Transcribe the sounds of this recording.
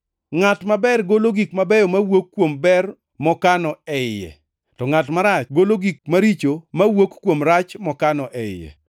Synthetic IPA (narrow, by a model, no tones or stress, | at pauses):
ŋatmabɛrɡoloɡikmabɛjɔmawokːwombɛr | mɔkanɔɛjɛ̰ | tɔŋatmaɾat͡ʃɡoloɡik̚maɾit͡ʃomawokkːwomɾat͡ʃmɔkanɔʔɛjɛ̰